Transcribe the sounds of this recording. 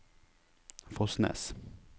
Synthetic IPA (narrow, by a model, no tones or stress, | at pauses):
fɔsnɛ̰s